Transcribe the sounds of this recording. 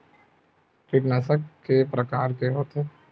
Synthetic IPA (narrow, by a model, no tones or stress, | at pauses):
kɪʈnasəkkːepɾɐkaːɾkeɦoːt̪eː